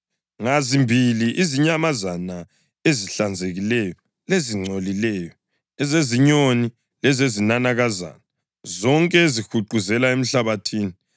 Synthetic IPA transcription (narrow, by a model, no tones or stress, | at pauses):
ŋazimbʱiliʔiziɲamazana | eziɬand͡zʱeɣilɛjɔ | leziŋ͡ǀʱolilɛːjɔ | ɛzeziɲoni | lɛzezinanaɣaza̰na | zɔŋkʼɛezixuǃuzɛlaem̩ɬaβatʰiːni